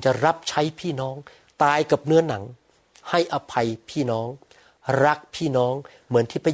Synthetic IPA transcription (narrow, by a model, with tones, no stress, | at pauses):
t͡ɕa˨˩ɾa˦˥p̚t͡ɕʰa˦˥jpʰiː˥˩nɔː˦˥ŋ | t̪aː˧jka˨˩p̚nɯ˦˥ɐna˩˦ŋ | ha˥˩jʔa˧pʰa˧jpʰiː˥˩nɔː˦˥ŋ | ɾa˦˥k̚pʰiː˥˩nɔː˦˥ŋ | mɯ˩˦nt̪ʰiː˥˩pʰa˧